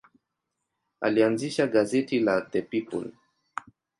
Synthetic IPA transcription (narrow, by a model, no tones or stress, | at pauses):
a̰lianziʃaɡazɛtilat̪ɛpipṵl